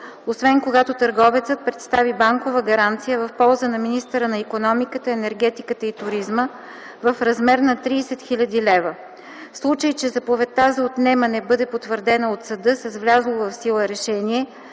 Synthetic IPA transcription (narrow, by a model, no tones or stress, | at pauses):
osvɛnkoɡat̪ot̪əɾɡɔvɛt̪sət̪̚pɾɛt̪st̪avibaŋkovəɡɐɾant̪sijəvɐfpɔlˠzənɐminist̪əɾənɐikonɔmikət̪əɛnɛɾɡ̟ɛt̪ikət̪əit̪ʊɾizmə | vɐfɾɐzmɛɾnɐt̪ɾiːsɛt̪xilʲɐd̪ilɛvə | slˠut͡ʃəjt͡ʃɛzɐpovɛt̪ːazɐot̪nɛmɐnɛbɤd̪ɛpot̪vəɾd̪ɛnɐot̪sɐd̪ɤsɛzvlʲazlˠovɐfsilˠəɾɛʃɛniɛ